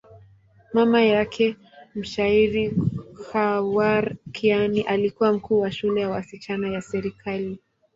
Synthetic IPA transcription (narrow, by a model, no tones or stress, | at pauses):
mamajakʰɛ | m̩ʃaiɾihawaɾkʰianiʔalikuwam̩kuːwaʃulɛjawasit͡ʃanajasɛɾikʰali